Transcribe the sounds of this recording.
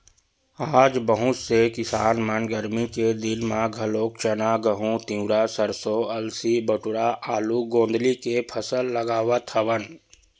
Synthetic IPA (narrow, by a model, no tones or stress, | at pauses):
aːd͡ʒbəɦũt͡ʃsekɪsaːnmɐnɡəɾmiked̪ɪnmãɡʱɐloːk̚t͡ʃɐnaɡəɦũt̪ĩũɾaːsəɾsoːɐlsibəʈʊɾaʔaːluɡõːnd̪likepʰəsəlːɐɡaːʋət̪ʰəʋən